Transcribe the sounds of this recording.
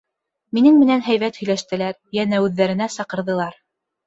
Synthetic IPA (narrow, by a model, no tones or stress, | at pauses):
minɘŋmɘ̆nænɦæjβæt̪hɵ̆jlæʃt̪ɘ̆læɾjænæʉðːæɾɘ̆næsɑqɤ̆ɾðɤ̆lˠɑɾ